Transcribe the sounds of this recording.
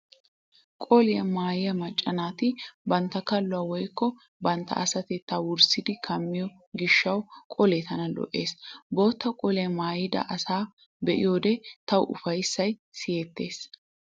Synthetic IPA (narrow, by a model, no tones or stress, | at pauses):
kʼɔlɪjɐmaːjɪjɐmɐt͡ʃʼːɐnaːt̪ɪbɐnt̪ːɐkɐlːʊɐwɔjkːɔ | bɐnt̪ːɐ̰ɐsɐt̪ɛt̪ːɐwʊɾsɪd̪ɪkʰɐmːɪjɔ | ɡɪʃːɐwkʼɔleːt̪ɐnɐlɔ̰ʔe̞ːsbo̞ːt̪ːɐkʼɔlɪjɐmaːjɪd̪ɐ̰ʔɐsaː | bɛʔɪ̰joːd̪ɛt̪ɐwʊ̰fɐjsːɐjsɪjeːt̪ːe̞ːs